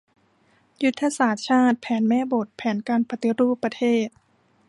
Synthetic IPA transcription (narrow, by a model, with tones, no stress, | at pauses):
ju˦˥t̪ʰːa˧saː˨˩˦t̪̚t͡ɕʰaː˥˩t̪̚pʰɛː˩˦nmɛː˥˩˨bo˨˩t̪̚pʰɛː˩˦nkaː˧npʰa˧t̪i˧ɾuː˥˩pːɾa˧t̪ʰeː˥˩t̪̚